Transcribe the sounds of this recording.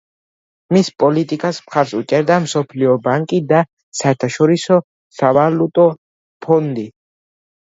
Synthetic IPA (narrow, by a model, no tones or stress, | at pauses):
mispʼɔlit̪ʼikʼasmχaɾsut͡ʃʼɛɾd̪amsɔpʰliɔbaŋkʼid̪a | saɛɾt̪ʰaʃɔɾisɔ | savalut̪ʼɔ | pʰɔnd̪i